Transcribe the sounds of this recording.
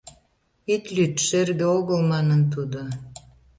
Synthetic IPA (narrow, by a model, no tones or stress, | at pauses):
it̪lyt̪ʃerɣɘ̆oɣə̆lmɑnə̆nt̪̬ud̪o